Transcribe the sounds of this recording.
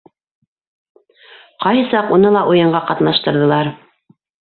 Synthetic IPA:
qɑjhɤsɑqunɤlˠɑʔujɤ̆ɴɢɑqɑt̪nɑʃt̪ɤ̆ɾðɤ̆lˠɑɾ

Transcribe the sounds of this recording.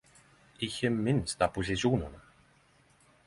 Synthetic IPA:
ɪçɪmɪnst̪aposɪsjuːnɪnam

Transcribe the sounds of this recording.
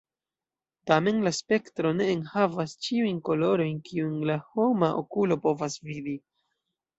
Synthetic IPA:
tame̞nlaspe̞ktɾo̞ne̞ːnhavast͡ʃiujnko̞lo̞ɾo̞jnkiunlaho̞maʔo̰kulo̞po̞vasvidi

